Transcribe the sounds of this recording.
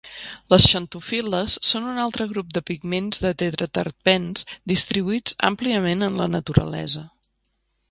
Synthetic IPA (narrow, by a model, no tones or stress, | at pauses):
ləsʃənt̪ufiləsːonunalˠt̪ɾəɣ̞ɾup̚d̪əpiɡmenzd̪ət̪eðɾət̪ə̰r̚pɛnz̥d̪ist̪ɾiβuit͡sa̰mpliəmenənlənət̪uɾə̰lɛ̰zə